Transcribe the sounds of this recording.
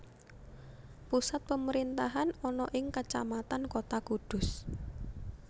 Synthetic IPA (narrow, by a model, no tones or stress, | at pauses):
pusat̪̚pəməɾint̪aɦanɔnɔʔɪŋkat͡ʃa̰mat̪ankot̪akud̪̥ʊ̤s